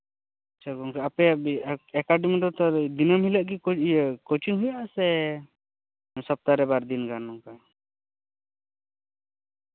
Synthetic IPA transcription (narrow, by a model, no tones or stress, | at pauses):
at͡ʃʰakɔŋkaapɛaɛkaɖimid̪ɔt̪ɔd̪inɔmɦilaʔɡikɔt͡ʃinɦujaʔsɛ | sɔp̚t̪aɾɛbaɾd̪inɡanːɔŋka